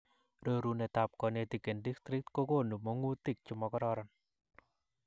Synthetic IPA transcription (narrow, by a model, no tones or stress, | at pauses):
rəɾunet̪ap̚kɔnet̪ikendikst̪ɾit̪̚kokonumoŋut̪ik̚t͡ʃumɔkɔɾɔɾɔn